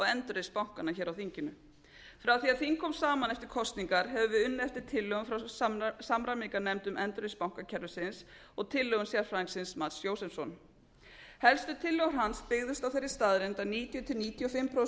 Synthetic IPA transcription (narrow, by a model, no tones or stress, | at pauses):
ɔɛnt̪ɾespawŋ̥kanaçɛːɾawθiɲcɪnʏ | fɾawθiːaðθiŋkʰɔmsaːmanɛft̪ɪɾ̥kʰɔst̪niŋkaɾ̥ɦɛvʏvɪðʏnːɛft̪ɪɾ̥t̪ʰɪlːœɣʏmfɾawssamɾamikanɛmt̪ʏmɛnt̪ɾespawŋ̥kacʰɛɾðʏsɪns | ɔɣt̪ʰɪlːœɣʏmsjar̥fɾaːiŋsɪnsmat̪sjoːwsɛmsɔn | hɛlst̪ʏt̪ʰɪlːœɣwɾ̥ɦanspɪɣðʏst̪awθejɾːɪst̪aðɾɪnt̪aniːt̪jɔt̪ʰɪlniːt̪jɔfɪmpʰɾo